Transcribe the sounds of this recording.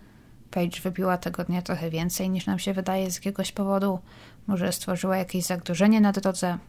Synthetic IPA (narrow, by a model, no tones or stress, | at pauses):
pɛjt͡ʂvɘbʲiwat̪ɛɡɔd̪ɲat̪ɾɔxɛvʲjɛnt̪sɛjɲiʂnamɕɛvɘd̪ajɛzʲjakʲɛɡɔɕpɔvɔd̪u | mɔʐɛst̪fɔʐɘwajakʲeʑzaɡɾuʐɛɲɛnad̪ɾɔd̪zɛ